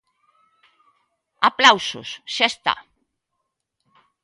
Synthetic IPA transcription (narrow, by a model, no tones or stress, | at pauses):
aplawsʊ̰sʃaest̪a̰